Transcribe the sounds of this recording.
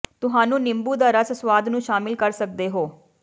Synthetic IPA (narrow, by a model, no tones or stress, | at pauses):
t̪ʊɦaːnũːnɪmbuːd̪aːɾəssʋaːd̪nũːʃaːmɪlkəɾsək̚d̪eːɦoː